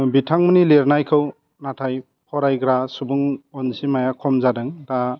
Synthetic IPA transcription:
bitʰaŋmɯnileɾnajkʰɯw | natʰaj | pʰɔɾajɡɾasubuŋɔnsimajakʰɔmzadɯŋta

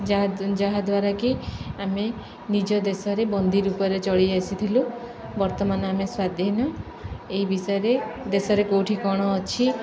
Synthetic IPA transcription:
d͡ʒad͡ʒaɦad̪waɾakiame | nid͡ʒɔd̪esɔɾebɔnd̪ʱiɾukɔɾet͡ʃɔɭiajsʰit̪ʰilu | bɔɾt̪ɔmanɔameswad̪ʱjenɔ | eibisɔjeɾed̪esɔɾekowʈʰikɔɽ̃ɔːt͡ʃʰi

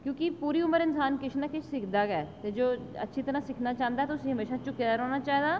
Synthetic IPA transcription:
kjõːkipuːɾiːʊməɾɪnsaːnkɪʃʰnaːkɪt͡ʃʰsɪkʰd̪aːɡɛɛt̪ed͡ʒoːə̰tːʃʰiːt̪əɾãːsɪkʰnaːt͡ʃãːnd̪aɛt̪oʊsiɦəmeːʃat͡ʃʊkːɛɾoːnaːt͡ʃaːɦd̪aː

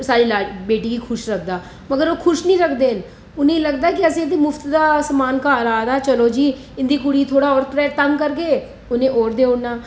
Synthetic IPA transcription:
saːɾilaːbeːʈikikʰʊʃɾɐkʰd̪aː | mɐɡəɾʋokʰʊʃnəĩɾɐkʰd̪eːn | ʊnɦẽlɐɡd̪ak̬iɛːseɪnd̪imʊft̪d̪asɐmaːnkaːɾaːd̪at͡ʃɐlod͡ʒiː | ɪ̃nd̪ik̬uɽit̪ʰoːɽaɔːɾpɾɛːt̪ɐmkɐɾɡeː | ʊnẽʔɔːɾd̪eːʊɽnaː

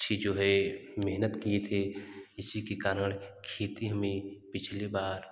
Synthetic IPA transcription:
ʃʰid͡ʒoːɦɛmeɦnət̪kiet̪ʰeɪsikikaːɾəɳkʰeːt̪iɦəmepɪt͡ʃʰlebaːɾ

